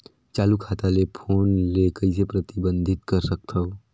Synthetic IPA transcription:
t͡ʃaːlukʰaːt̪alepʰoːnlekəɪsepɾət̪ɪbə̃nd̪ʱɪt̪kəɾsək̚t̪ʰəo

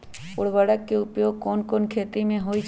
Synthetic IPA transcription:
ʊɽʋəɽəkːeʊpjoːɡ̚kɔːnkɔːnkʰeːt̪imẽɦoid͡ʒ

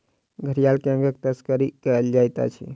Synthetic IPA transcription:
ɡʱəɾijalkeə̃ŋɡək̚t̪əskəɾikəld͡ʒajt̪a̰t͡ʃʰḭ

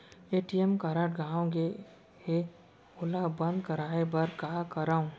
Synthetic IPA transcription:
eːʈiemkaɾəʈɡãːõɡe | e | ʊlabɐ̃nd̪kəɾaːebɐɾkaːkəɾaːõ

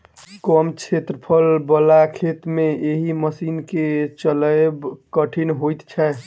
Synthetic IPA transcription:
kɔmt͡ʃʰet̪ɾəpʰəlbəlakʰet̪mẽeɦiməsinket͡ʃələbkəʈʰinɦojt̪t͡ʃʰɛ

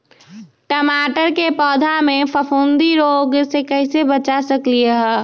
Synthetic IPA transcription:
ʈəmaːʈəɾkepɔːd̪ʱamẽpʰəpʰuːnd̪iɾoːɡsekəɪsebət͡ʃasəklieɦɛː

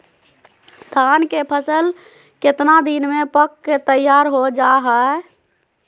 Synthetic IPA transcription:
d̪ʱankepʰəsəl | ket̪nad̪inmepəkːet̪əjaɾɦod͡ʒaɦəe

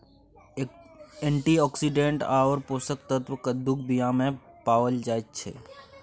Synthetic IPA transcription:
ẽɳʈiɔːksiɖẽɳʈaːoɾpoːsək̚t̪ət̪ʋkəd̪uk̚bijãːmẽpaːʋəld͡ʒaːet̪̚t͡ʃʰḛː

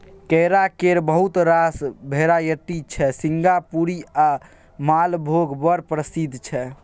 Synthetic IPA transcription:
kɛjɾakeɾbəɦut̪ɾasbʱeɾajəʈːit͡ʃʰɛsiŋɡapuɾia | malbʱoɡbəɾpɾəsid̪ʱt͡ʃʰɛ

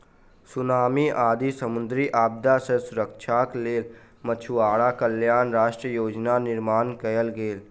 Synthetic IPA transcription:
sʊnaːmiʔaːd̪isəmʊnd̪ɾiʔaːb̚d̪asə̃sʊɾəkt͡ʃʰakleːl | mət͡ʃʰuaːɽakəljaːnɾaːʃʈɾəjoːd͡ʒnanɪɾmaːnkəjəlɡeːl

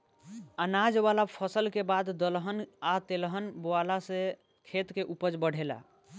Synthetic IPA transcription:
ənad͡ʒʋalapʰəsəlkebad̪ːəlɦənat̪elɦənboalasẽ | kʰet̪keʔupəd͡ʒbəɽ̤ʱela̰

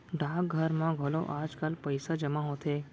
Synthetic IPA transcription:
ɖʱak̚ɡʱəɾmãɡʱolo̰ʔad͡ʒkalpəjsad͡ʒəmãɦõt̪ʰe

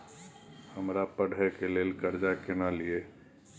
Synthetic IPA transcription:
həmɾapəɽʱɛkeleːlkəɾd͡ʒakɪnalɪeː

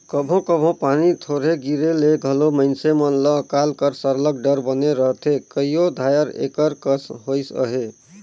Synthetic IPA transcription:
kəbʱõkəbʱõpanit̪ʰoɾɦeɡiɾeleɡʱəloməɪnsemənləkalkəɾsəɾləkɖəɾbəneɾəɦt̪ʰekəijod̪ʱajəɾḛkəɾkəsɦojsə̰ɦe

